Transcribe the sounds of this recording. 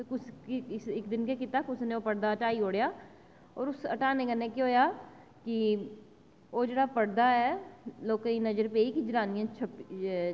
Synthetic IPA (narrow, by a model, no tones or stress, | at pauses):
t̪okʊskɪsɪkd̪ɪnkekit̪aːkʊsnẽoːpəɽd̪aːəʈaːioːɽjaː | ɔːɾʊsəʈaːneːkənːeːkeɦoːjaː | kɪ | oːd͡ʒeːɽaːpəɽd̪aɛːloːkːiːnəd͡ʒəɾpeːikid͡ʒəɾaːnɪjãːt͡ʃʰəp